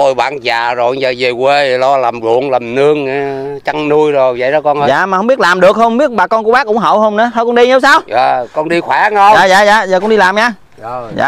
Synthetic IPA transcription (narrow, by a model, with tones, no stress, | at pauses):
o˧jɓa̰ː˧˨nzaː˨˩zo˨˩jzəː˨˩ze˨˩kwe˧˨˩lɔ˧la˨˩mzṵ˧˨əŋlə˨˩mnɨ˧əŋ˨˦t͡ɕa˧ŋnu˧əjzo˨˩jvə̰˧˨jɗɔ˧˦kɔ˧nː˧za̰ː˧˨ma˨˩hə˧wŋ͡mɓi˦˥t̚laː˨˩mɗɨ˨˩ək̚hə˧wŋ͡mɓi˦˥ət̚ɓaː˨˩kɔ˧nku˧˥ə˦ɓaː˦˥k̚kʊ̰˧˥ŋ͡mɦə̰˧˨whə˧wŋ͡mnɨ̰˧˦t̪ʰə˧kɔ˧nɗi˧ɲə˨˦wsaː˧wəː˨˩kɔ˧nɗi˧xwɛ˧˦ŋə˧zaː˨za̰ː˧˨za̰ː˨zəː˨˩kɔ˧˥ɗi˧laː˨˩mɲaː˧ | za̰ː˧˨